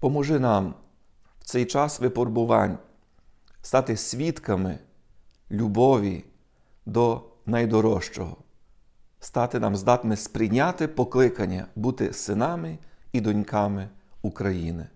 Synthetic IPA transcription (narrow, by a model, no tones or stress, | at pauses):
pɔmɔʒɪnɑm | wt̪sɛjt͡ʃɑsʋɪpɔrbʊʋɑ̰nʲ | st̪ɑt̪ɪsʲʋʲit̪kɐmɪ̰ | lʲubɔʋʲḭ | d̪ɔnɐjd̪ɔɾɔʃt͡ʃɔɦɔ̰ | st̪ɑt̪ɪnɑmzd̪ɑt̪mɪspɾɪjnʲat̪ɪpɔklˠɪkɐnʲːɐ̰but̪ɪsɪnɑmɪid̪ɔnʲkɑmɪukɾɐjinɪ